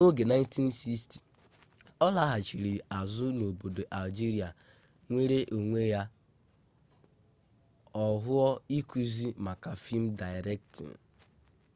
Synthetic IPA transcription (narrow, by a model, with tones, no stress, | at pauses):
o˦ɡe˨na˦ɪ˦n˦ti˦n̩˦si˦sti̥˨ | ɔ˦la˦ɦa˨t͡ʃi˨ɾi˨a˨zʊ˦no˨bo˨do˨ʔa˨ld͡ʒi˦ɾi˨a˨ | ŋʷe˦ɾe˦ʔo˨ŋʷe˦ja˦ | ɔ˨ɦʊ˦ɔ˦i˦ku˦zi˦ma˨ka˨fi˦m̩˦da˨ɪ˨ɾɛ˦k̚tḭ˨n̩˨